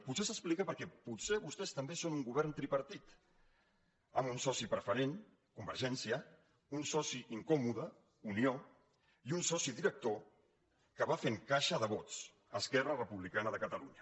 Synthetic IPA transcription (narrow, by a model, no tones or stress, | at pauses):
putsesəsplikəpəɾkɛpuseβust̪ɛst̪əmbesonuŋɡuβɛɾnt̪ɾipəɾt̪it̪ | əmunsɔsipɾəfəɾen | kumbəɾʒɛnsiə | unsɔsiʔiŋkɔmuðə | unio | iunsɔsiðiɾək̚t̪o | kəβ̞afeŋkaʃəðəβ̞ɔt͡s | əskɛrərəpuβlikanəðəkət̪əluɲə